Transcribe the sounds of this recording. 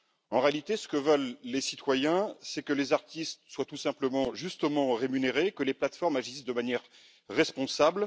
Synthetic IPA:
ɑ̃ʁealit̪esə̥kəvœlːesit̪wajɛ̃sɛkəlezaʁt̪ist̪swat̪usɛ̃pləmɑ̃ʒyst̪əmɑ̃ʁemyneʁekəleplat̪fɔʁmaʒisd̪əmanjɛʁː | ɛspɔ̃sabl

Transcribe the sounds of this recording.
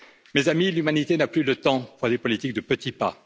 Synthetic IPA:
mezamilymanit̪enaplylət̪ɑ̃puʁd̪epɔlit̪ik̚d̪əpət̪ipa̰

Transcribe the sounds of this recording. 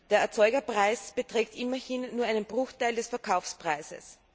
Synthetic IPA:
d̥eːɐɛɐt͡sɔʏɡɐpʁ̥aɪsb̥ətʁ̥eːktʔɪmɐhɪnːuːɐʔaɪnənbʁʊxtaɪldɛsfɛɐkʰaʊfspʁ̥aɪzə̰s

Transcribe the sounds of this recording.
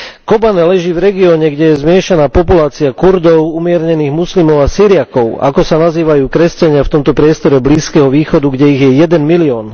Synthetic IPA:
kɔbanɛlɛʒiːvɾɛɡiɔːɲɛɡɟɛjɛzmɪɛʃanaːpɔpulaːt͡siakuɾd̪ɔʊumɪɛɾɲɛniːɣmuslimɔʊasiːɾiakɔʊa̰kɔsanaziːʋajuːkɾɛscaɲɪaft̪ɔmt̪ɔpɾɪɛst̪ɔɾɛbliːskɛɦɔʋiːxɔd̪uɡɟɛiɣjɛjɛd̪ɛnmiliɔːn

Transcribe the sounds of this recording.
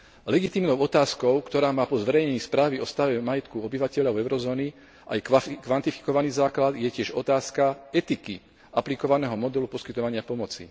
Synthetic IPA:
lɛɡit̪iːmnɔʊɔt̪aːskɔʊkt̪ɔɾaːmaːpɔzʋɛɾɛjɲɛɲiːspɾaːʋiɔst̪aʋɛmajɛt̪kuɔbiʋacɛʎaʊɛʊɾɔzɔːni | ʔa̰jkʋant̪ifi̥kɔʋaniːzaːklad̪jɛcɪɛʒɔt̪aːskaɛt̪iki | ʔaplikɔʋanɛːɦɔmɔd̪ɛlupɔskit̪ɔʋaɲɪapɔmɔt͡sḭ

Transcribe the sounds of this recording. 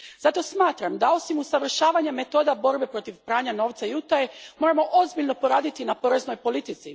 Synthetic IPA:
zat̪o̞smaːt̪ɾamd̪ao̞simusaʋr̩ʃaːʋaɲame̞t̪o̞ːd̪abo̞ɾbe̞pɾo̞t̪iʋpɾaːɲano̞ːʋt̪sajut̪ajemo̞ːɾamo̞ʔozbiʎno̞po̞ɾaːd̪it̪inapo̞ɾe̞zno̞jpo̞lit̪it̪si

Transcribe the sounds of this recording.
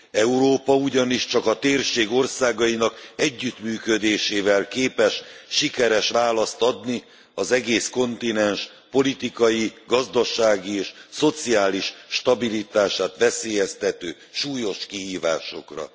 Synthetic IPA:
ɛuɾoːpɒuɟɒniʃt͡ʃɒkɒt̪eːrʃeːɡo̞rsaːɡɒinɒkɛɟːyt̪myːkød̪eːʃeːvɛlkeːpɛʃʃikɛɾɛʃʋaːlɒst̪ɒd̪ni | ɒzɛɡeːsko̞nt̪inɛnʃ | po̞lit̪ikɒjiɡɒzd̪ɒʃaːɡieːʃso̞t̪siaːliʃʃt̪ɒbilit̪aːʃaːt̪ʋɛseːjɛst̪ɛt̪øː | ʃuːjo̞ʃkihiːva̰ːʃo̞̰krɒ̰

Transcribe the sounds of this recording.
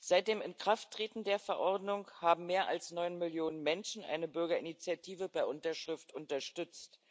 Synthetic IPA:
z̥aɪt̚d̥eːmɪnkʁ̥aftːʁ̥eːtn̩deːɐfɛɐʔɔɐdnʊŋhaːbm̩meːɐʔa̰lsnɔʏnmɪljoːnənmɛnʃn̩ʔa̰ɪnəbʏɐɡɐɪnit͡sjatʰiːvəbaɪʔʊntɐʃʁ̥ɪftʔʊntɐʃtʏt͡st

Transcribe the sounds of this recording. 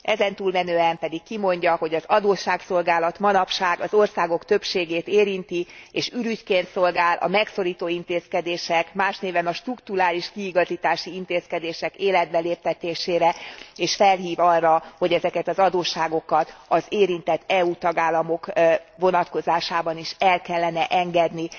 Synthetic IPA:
ɛzɛnt̪uːlmɛnøːɛmpɛd̪ikkimo̞ɲɟɒho̞ɟɒzɒd̪oːʃaːkso̞lɡaːlɒt̪mɒnɒpʃaːɡɒzo̞rsaːɡo̞kt̪ø̞pʃeːɡeːt̪eːɾint̪ieːʃyɾyckeːnt̪so̞lɡaːlʔɒ̰mɛkso̞ɾiːt̪oːint̪eːskɛd̪eːʃɛkmaːʃneːvɛnɒʃt̪rukt̪uɾaːliʃkiːɡɒziːt̪aːʃiint̪eːskɛd̪eːʃɛkeːlɛd̪̚bɛleːp̚t̪ɛt̪eːʃeːɾɛeːʃfɛlɦiːvɒrːɒho̞ɟɛzɛkɛt̪ɒzɒd̪oːʃaːɡo̞kɒt̪ɒzeːɾint̪ɛt̪ʰːɛuːt̪ɒɡaːlːɒmo̞kvo̞nɒt̪ko̞zaːʃaːbɒniʃɛlkɛlːɛnɛʔɛŋɡɛd̪ni

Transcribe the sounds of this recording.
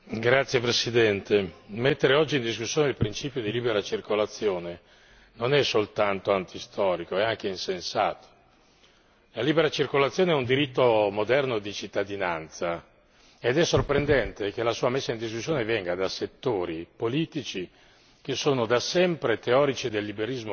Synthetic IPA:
ɡɾat̪sːjepɾesid̪ɛnt̪emet̪ːeɾeɔd͡ʒːind̪is̬kusːjoːneilpɾint͡ʃiːpjod̪iliːbeɾat͡ʃirkolat̪sːjoːne | nonɛsolt̪ant̪oant̪ist̪ɔːɾikoeaŋk̟einsensa̰ːt̪o̥ | laliːbeɾat͡ʃirkolat̪sjoːneɛund̪iɾit̪ːomod̪ɛrnod̪it͡ʃit̪ːad̪inant̪sa | ed̪ɛsːorpɾend̪ɛnt̪ek̟elasuːamesːaind̪is̬kusːjoːnevɛŋɡad̪aset̪ːoːɾipoliːt̪it͡ʃi | k̟esːoːnod̪asɛmpɾet̪eɔːɾit͡ʃid̪elːibeɾizmo

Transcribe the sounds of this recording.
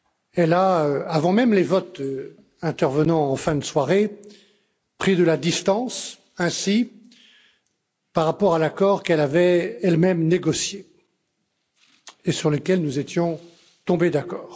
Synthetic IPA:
ɛlaøavɑ̃mɛmlevɔt̪ | ɛ̃t̪ɛʁvənɑ̃ɑ̃fɛ̃d̪əswaʁe | pχid̪əlad̪ist̪ɑ̃s | ɛ̃si | paʁːapɔʁalakɔʁkɛlavɛɛlmɛmneɡɔsje | esyʁlekʲɛlnuzet̪jɔ̃ | t̪ɔ̃bed̪akɔːʁ

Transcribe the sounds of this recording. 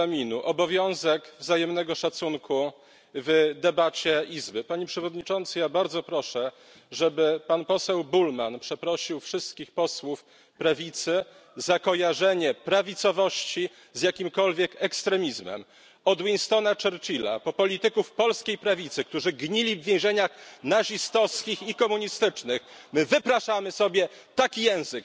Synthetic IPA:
amʲinuʔɔbɔvʲjɔ̃w̃zɛɡvzajɛmnɛɡɔʂat̪suŋkʰu | vd̪ɛbat͡ɕɛizbɘpaɲɛpʂɛvɔd̪ɲit͡ʂɔnt̪sɨjabaɾd̪zɔpɾɔʂɛ | ʐɛbɘpanpɔsɛwbulmanpʂɛpɾɔɕiwfʂɘst̪kʲixpɔswuf | pɾavʲit̪sɘ | zakɔjaʐɛɲɛpɾavʲit̪sɔvɔɕt͡ɕi | zjakʲimkɔlvʲjɛkɛkst̪ɾɛmʲizmɛ̰m | ɔd̪winst̪ɔnat͡ʂɛɾt͡ɕila̰pɔpɔlʲit̪ɘkufpɔlskʲejpɾavʲit̪sɘk̚t̪uʐɘɡɲilʲivvʲjɛ̃w̃ʑɛɲaxnaʐist̪ɔskʲixikɔmuɲist̪ɘt͡ʂnɘxmɘvɘpɾaʂamɘsɔbʲjɛ | t̪akʲijɛ̃w̃zɘk

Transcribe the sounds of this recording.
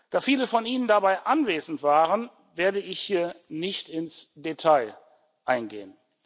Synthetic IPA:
d̥aːfiːləfɔnʔiːnəndabaɪʔanveːzn̩tv̥aːʁən | veːɐdəɪçhiːɐnɪçtɪnsd̥etʰaɪ | ʔaɪnɡḛːən

